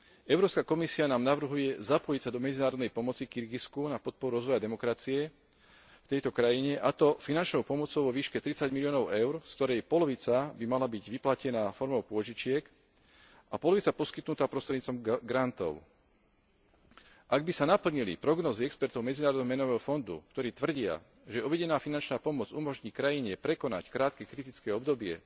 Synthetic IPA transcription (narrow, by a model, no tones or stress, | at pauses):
ɛʊɾɔːpskakɔmisianaːmnaʋr̩ɦujɛzapɔjicsad̪ɔmɛd͡zinaːɾɔd̪nɛjpɔmɔt͡sikiɾɡiskunapɔt̪̚pɔɾuɾɔzʋɔjad̪ɛmɔkɾat͡siɛ | ft̪ɛjt̪ɔkɾajiɲɛʔat̪ɔfinant͡ʃnɔʊpɔmɔt͡sɔʊʋɔʋiːʃkɛt̪ɾit͡saɟmilijɔːnɔʊɛʊɾskt̪ɔɾɛjpɔlɔʋit͡sabimalabiɟʋiplacɛnaːfɔɾmɔʊpʊɔʒit͡ʃɪɛk | ʔapɔlɔʋit͡sapɔskit̪nut̪aːpɾɔst̪ɾɛd̪ɲiːt͡sɔmɡɾant̪ɔ̰ʊ | ʔaɡ̚bisanapl̩ɲilḭpɾɔɡnɔːziɛkspɛɾt̪ɔʊmɛd͡zinaːɾɔd̪ɛɦɔmɛnɔʋɛːɦɔfɔnd̪ṵkt̪ɔɾiːt̪ʋr̩ɟɪa̰ | ʒɛuʋɛɟɛnaːfinant͡ʃnaːpɔmɔd͡zumɔʒɲiːkɾajiɲɛpɾɛkɔna̰ckɾaːt̪kɛkɾit̪it͡skɛːɔbd̪ɔbɪɛ